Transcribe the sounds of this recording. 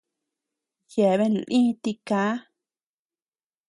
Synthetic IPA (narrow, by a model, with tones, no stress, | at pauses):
je˨βe˦˧˨n˨lʔĩ˦t̪i˧kaː˦